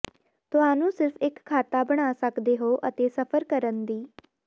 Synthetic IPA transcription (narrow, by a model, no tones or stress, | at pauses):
t̪ʊɦaːnũːsɪɾfʰɪkʰːaːt̪aːbəɽ̃aːsəkd̪eːɦoːʔət̪eːsəpʰəɾkəɾənd̪iː